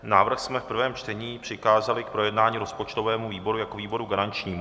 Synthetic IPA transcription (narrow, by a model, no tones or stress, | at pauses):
naːvr̩xsmɛfpr̩vɛːmt͡ʃt̪ɛɲiːpr̝̥ɪxaːzalɪkpɾo̞jɛdnaːɲiːɾo̞spot͡ʃt̪ovɛːmuviːbo̞ɾujakoviːbo̞ɾuɡaɾant͡ʃɲiːm